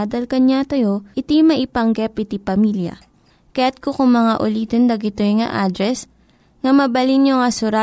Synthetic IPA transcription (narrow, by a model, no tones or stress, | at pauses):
d̪ɐlkɐɲat̪ɐjoʔɪt̪imɐʔɪpɐŋɡɛpɪt̪ipɐmiljɐ̰ | kɐjat̪̚kokʊŋmɐŋaʔʊliːt̪ond̪ɐɡɪt̪ojŋɐ̰ʔaːd̪ɾɛs | ŋɐmɐbɐlinoŋɐsʊɾa